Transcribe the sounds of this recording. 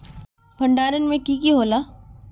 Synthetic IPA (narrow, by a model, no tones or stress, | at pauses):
bʱɐɳɖaːɾənmẽkikiɦoːlaː